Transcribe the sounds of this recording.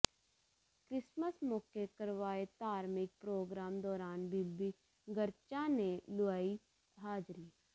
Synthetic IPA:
kɾɪsməsmɔːkekəɾʋaːet̪aːɾmɪk̚pɾoːɡɾaːmd̪ɔːɾaːnbilbi | ɡəɾt͡ʃanelʊaːi | ɦaːd͡ʒɾiː

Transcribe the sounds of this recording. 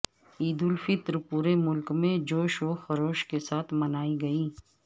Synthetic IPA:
iːd̪ʊlfɪt̪ɾpuːɾemʊlkmẽd͡ʒoːʃoːxɐɾoːʃkesaːt̪ʰmɐnaːiɡɐiː

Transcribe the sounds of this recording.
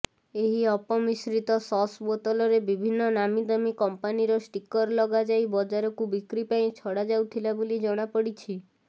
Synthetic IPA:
eɦiɔpɔmisɾit̪ɔsɔsbot̪ɔlɔɾebibʱinːɔnamid̪ɔmikɔmpaniɾɔsʈikɔɾlɔɡad͡ʒajbɔd͡ʒaɾɔkubikɾipaĩt͡ʃʰɔɽad͡ʒawt̪ʰilabolid͡ʒɔɽ̃apɔɽit͡ʃʰi

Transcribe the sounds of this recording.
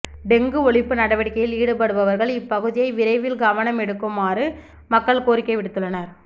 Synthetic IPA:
ɖɛŋɡɯɔɭɪpːɯnɐɽɐʋɐɽɪkːɐjɪliːɽɯpɐɽɯʋɐʋɐɾɣɐɭɪpːɐɣɯðɪjɐɪʋɪɾɐɪʋɪlɡɐʋɐnɐmɛɽɯkːɯmaːrɯ | mɐkːɐɭkoːɾɪkːɐɪʋɪɽɯt̪ːɯɭːɐnɐɾ

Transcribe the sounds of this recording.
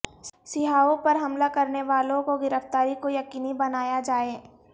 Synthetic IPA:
sɪɦaːõpɐɾɦɐmlakɐɾneʋaːlõkoɡɪɾəft̪aːɾikojɐkiːnibɐnaːjad͡ʒaːeː

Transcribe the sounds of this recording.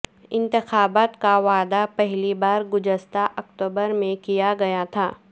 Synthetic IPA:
ɪ̃nt̪ɪxaːbaːt̪kaʋaːd̪apɛɦlibaːɾɡʊd͡ʒəst̪aʔɐkt̪oːbəɾmẽkijaɡɐjat̪ʰaː

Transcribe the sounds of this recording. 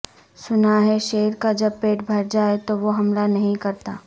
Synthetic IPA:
sʊnaɦɛʃeːɾkad͡ʒɐb̚peːʈbʱɐɾd͡ʒaːet̪oʋoɦɐmlanɐɦĩkɐɾt̪aː

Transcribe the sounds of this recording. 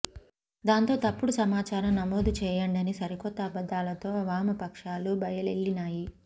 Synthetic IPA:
d̪aːnt̪o̞ːt̪ɐpːuɽusɐmaːt͡ʃaːɾɐmnɐmoːd̪ut͡ʃɛːjɐɳɖɐnisɐɾikɔt̪ːɐːbɐd̪ːaːlɐt̪o̞ːʋaːmɐpɐkʂaːlubɐjɐleɭːinaːji

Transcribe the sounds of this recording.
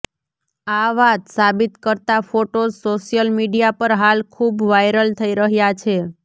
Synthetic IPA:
aʋat̪sabit̪kəɾt̪afoʈosoʃijəlmiɖijapəɾɦalkʰubʋajɾəlt̪ʰəiɾəɦjat͡ʃʰe

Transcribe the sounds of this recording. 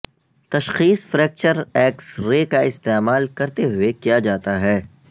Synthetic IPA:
t̪ɐʃxiːsfɾɛːk̚t͡ʃəɾɛːksɾeːkaɪst̪eːmaːlkɐɾt̪eɦʊekijad͡ʒaːt̪aɦɛː

